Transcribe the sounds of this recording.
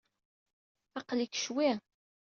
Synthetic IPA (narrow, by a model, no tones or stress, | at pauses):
ɑqlikʃwi